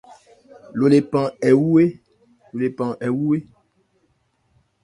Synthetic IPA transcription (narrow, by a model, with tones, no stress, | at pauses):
lo˨le˨pã˨ɛ˨wu˦we˦ | lo˨le˨pã˨ʔɛ˨wu˦we˦